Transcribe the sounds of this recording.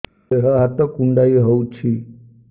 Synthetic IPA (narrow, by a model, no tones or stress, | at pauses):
eɦɔɦat̪ɔkuɳɖaiɦowt͡ʃʰi